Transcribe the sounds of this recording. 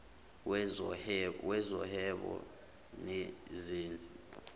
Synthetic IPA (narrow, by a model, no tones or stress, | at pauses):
wɛzɔhɛɓɔ̰ | nɛzeːnd͡zʱi